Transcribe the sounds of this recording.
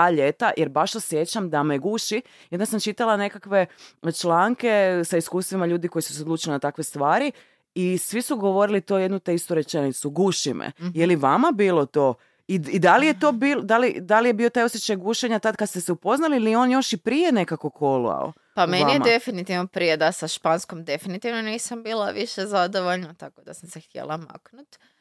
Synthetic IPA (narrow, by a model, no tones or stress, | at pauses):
aʎe̞t̪ajʔeɾbaʃosjet͡ɕamd̪ameɡuʃi | j̪nasamt͡ʃit̪alane̞kakʋe̞t͡ʃlaŋke̞saiskuːst̪ʋimaʎuːd̪iko̞jisu̥seod̪luːt͡ʃlinat̪akʋe̞st̪ʋaːɾi | isʋisuɡo̞ʋo̞ɾilit̪oje̞d̪nut̪ekst̪uɾe̞t͡ʃenit̪suɡuʃimḛjeliʋamabiːlot̪o̞ | iid̪alije̞t̪o̞ːbild̪alid̪alijebiot̪ajo̞sʲjet͡ɕajɡuʃe̞ɲat̪ad̪̚kad̪st̪eseupo̞znalilijeo̞ːnjo̞ʃipɾije̞ne̞kako̞kʰo̞lṵa̰o̰ | pamenaiemad̪e̞finit̪iʋnopɾijed̪asaʃpanskomd̪e̞finit̪iʋnoniːsambiːlˠaʋiʃezad̪oʋoʎnat̪akod̪asamsext̪jḛlˠama̰knut̪